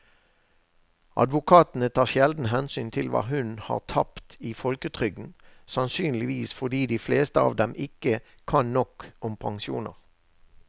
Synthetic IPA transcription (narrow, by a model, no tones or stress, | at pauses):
ʔɑ̰d̪ʋʊkʰɑːt̪n̩ət̪ʰɑːʁʃjɛld̪n̩ɦɛnsyːnt̪ʰɪlʋɑ̰ːɦʉnhɑ̰ːʁt̪ʰɑpt̪iːfɔlkət̪ʰʁʏɡn̩sɑnsyːnlɪʋiːsfɔʁd̪iːd̪iːfleːst̪əɑ̰ːʋd̪ɛmʔɪkə | kʰɑnnɔkɔmpʰɑŋsuːnə̰ʁ